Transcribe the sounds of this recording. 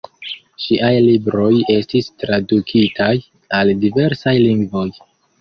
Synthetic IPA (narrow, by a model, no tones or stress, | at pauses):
ʃiʔajlibɾo̞je̞stistɾadukʰitʰaj | aldive̞ɾsajliŋɡvo̞j